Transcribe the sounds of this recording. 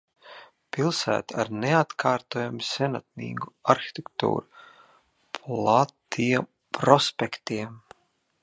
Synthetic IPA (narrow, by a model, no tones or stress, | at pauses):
pilˠsæ̰ːt̪aɾneat̪kʰaːɾt̪oːjamusʲɛnat̪̚nḭːɡuaɾxi̥t̪ekt̪ṵːɾu | pʰlˠat̪iɛm | pɾɔspʲekt̪iɛm